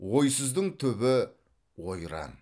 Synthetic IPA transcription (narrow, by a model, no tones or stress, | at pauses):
wo̞jsəzd̪əɴt̪ʰɵbɪ | wojɾɑ̰n